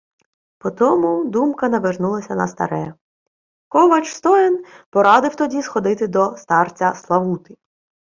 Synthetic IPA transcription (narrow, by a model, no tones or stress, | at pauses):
pɔt̪ɔmʊd̪umkɐnɐʋernulˠɐsʲɐnɐst̪ɐ̰ɾɛ | kɔʋɐt͡ʃst̪ɔjɪnpɔɾɑd̪ɪwt̪ɔdʲisxɔd̪ɪt̪ɪd̪ɔst̪ɑrt͡sʲɐslˠɐʋut̪ɪ